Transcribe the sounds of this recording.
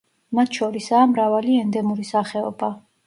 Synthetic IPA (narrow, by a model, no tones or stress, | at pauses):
mat̪ʰʃɔɾisaːmɾavaliɛnd̪ɛmuɾisaχɛɔ̰ba